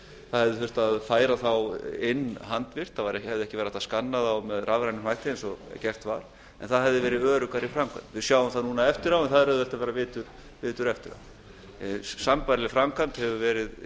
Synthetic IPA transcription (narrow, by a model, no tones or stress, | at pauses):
θaðhɛvðɪθʏ̥t̪aðfaːjɾaθawɪnːɦant̪vɪr̥t̪θavaɾɛhɛvðɪɛhcɪvɛːɾat̪aðskanːaðawmɛðrʔavɾajnɪhajht̪ɪɛnsɔcɛr̥t̪vaɾ̥ | ɛ̰nθaðɦɛvðɪvɛːɾɪðœːɾʏkaɾifɾamkʰa̰nt̪vɪðsjawʏmθaðnuːnaɛft̪ɪɾawɛnθaðɾhɛvðɪɛl̥t̪avɛːɾavɪːt̪ʏɾ̥ | vɪːt̪ʏɾɛft̪ɪɾa̰w | sampaɾlɪfɾamkʰant̪hɛvʏvɛːɾɪð